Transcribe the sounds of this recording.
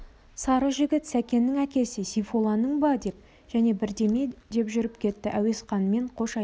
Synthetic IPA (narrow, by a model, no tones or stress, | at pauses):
sɑɾəʒɪɡʲɪt̪sækʲe̞nːɪŋækʲe̞sɪsifo̞lˠɑnəɴbɑd̪e̞p̚ | ʒ̥æne̞bɪɾd̪e̞me̞d̪e̞pʒʏɾɪp̚kʲʰe̞t̪ːɪʔæwe̞sqɑnme̞ɴqʰo̞ʃɑj